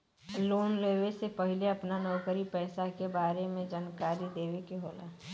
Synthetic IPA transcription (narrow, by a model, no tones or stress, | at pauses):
loːnleːʋesepɐɦɪleɐpnanɔːkəɾipɛːsakebaːɾemẽd͡ʒaːnkaːɾid̪eːʋekiɦoːla̰ː